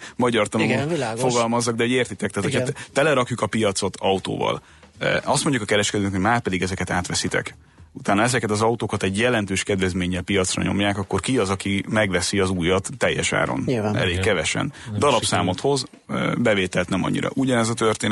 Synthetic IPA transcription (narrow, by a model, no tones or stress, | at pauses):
mɒɟɒrt̪ɒloilːɡfo̞ɡɒlmɒzːɒɡd̪ɛɦoɟeːrt̪it̪ɛk̚t̪aːt̪hojʰt̪ɛlɛɾɒkjukɒpijɒt̪so̞t̪ʰɒut̪o̰ːvɒ̰l | ɒst̪mo̞ɲjukɒkɛɾɛʃkɛd̪øːnɛkhoɟmaːrpɛd̪iɡɛzɛkɛt̪aːt̪ʋɛsit̪ɛ̰k | ut̪aːnɒɛzɛkɛt̪ɒzɒut̪oːkɒt̪ɛɟjɛlɛnt̪øːʃkɛd̪vɛzmeːɲːɛlpijɒt̪srɒ̰ɲo̞̰mjaːkɒkːo̞rkiɒzɒkimɛɡvɛsiɒzuːjɒt̪ːɛjːɛʃa̰ːɾo̰nɛ̰leːkkːɛvɛʃɛ̰nd̪ɒlɒpsaːmo̞t̪ho̞z | bɛveːt̪ɛlt̪nɛmɒ̰ɲːḭɾɒ̰ʔuɟɒnɛzɒt̪ørt̪eːn